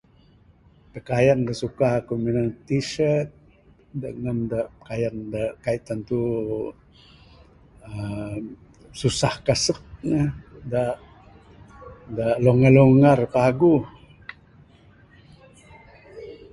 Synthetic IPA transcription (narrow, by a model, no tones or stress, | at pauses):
pəkajandasukakuminant̪isət̪̚ | dəŋandaʔpə̥kajandaʔkait̪ant̪u | ə | susahkasək̚nədaʔ | daʔloŋaloŋarpaɡu